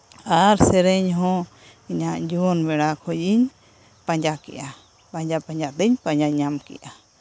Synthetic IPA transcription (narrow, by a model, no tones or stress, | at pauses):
aɾsɛɾɛɲɦɔ̃ | iɲaʔd͡ʒuwɔnbɛɽakʰɔjiɲ | pãɲd͡ʒakɛ̰ʔa | paɲd͡ʒapaɲd͡ʒad̪ɛɲpãɲd͡ʒaɲamkɛ̰ja